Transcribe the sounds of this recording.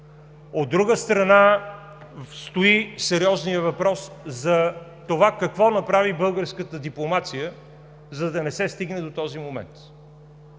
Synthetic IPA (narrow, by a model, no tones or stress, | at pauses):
od̪ːɾuɡəst̪ɾɐna | st̪oisɛɾiɔznijəvɐpɾɔszɐt̪ovakɐkvɔnɐpɾavibɤlˠɡəɾskət̪əd̪iplˠomat̪sijə | zɐd̪ɐnɛsɛst̪iɡnɛd̪ot̪ɔzimomɛ̰nt̪